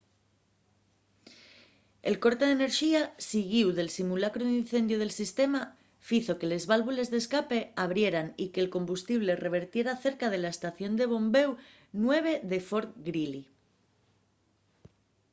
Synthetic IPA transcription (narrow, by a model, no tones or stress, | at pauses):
e̞̰lko̞ɾt̪e̞ðene̞ɾʃiasiɣiwðe̞lsimulakɾoðin̟θe̞nd̪joð̞e̞lsist̪e̞ma | fiθo̞ke̞le̞zβalβule̞zðe̞skape̞aβ̞ɾje̞ɾanike̞ːlko̞mbust̪iβ̞le̞re̞β̞e̞ɾt̪je̞ɾaθe̞ɾkað̞e̞laest̪aθjo̞nd̪e̞β̞o̞mbe̞w | nwe̞β̞e̞ðe̞fo̞ɾt̪ɡɾili